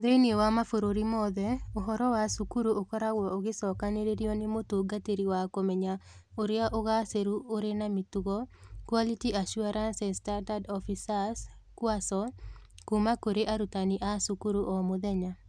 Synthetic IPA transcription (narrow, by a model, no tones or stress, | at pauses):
ðeniewamafoɾoɾimɔðɛoɦɔɾɔwasukuɾoʔokɔɾawɔoɡɪsɔkaneɾeɾjɔnemotoɡateɾiwakomɛɲaoɾɪaʔoɣaseɾuoɾenamituɣɔkwalitiaʃuaɾansɛstadadɔfisaskwasɔkumakoɾeʔaɾutaniʔasukuɾoʔɔmoðɛɲa